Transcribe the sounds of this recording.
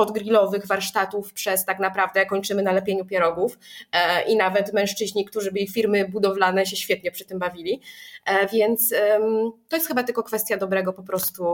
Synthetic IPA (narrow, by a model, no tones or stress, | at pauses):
ɔd̪ɡɾilɔvɘɣvaɾʂt̪at̪ufpʂɛst̪aknapɾavd̪ɛkɔɲt͡ʂɘmɘnalɛpʲjeɲupʲjɛɾɔɡufʔinavɛt̪mɛ̃ʂt͡ʂɘʑɲikt̪uʐɘbɘixfʲiɾmɘbud̪ɔvlanɛɕɛɕfʲjɛt̪̚ɲɛpʂɘt̪ɘmbavʲilʲi | vʲjɛnt̪smt̪ɔjɛst̪xɘbat̪ɘlkɔkfɛst̪ʲjad̪ɔbɾɛɡɔpɔpɾɔst̪u